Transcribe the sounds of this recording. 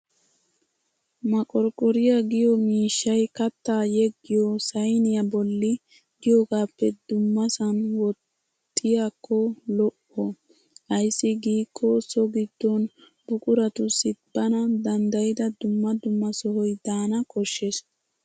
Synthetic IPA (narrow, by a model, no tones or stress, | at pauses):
mɐkʼɔɾkʼɔɾɪjɐɡɪjɔmiːʃːɐjkɐt̪ːaːjɛɡːɪjosɐjnɪjɐbɔlːɪ | ɡ̥ɪjoːɡaːpːɛd̪ʊmːɐsɐnwɔt̪ʼː | ɪjakːɔlɔʔɔ | hɐjsːɪɡiːkʼːɔsɔɡɪd̪ːɔn | b̥ʊkʼʊɾɐt̪ʊsɪbːɐnɐd̪ɐnd̪ɐjɪd̪ɐd̪ʊmːɐd̪ʊmːɐsɔhɔjd̪aːnɐkɔʃːes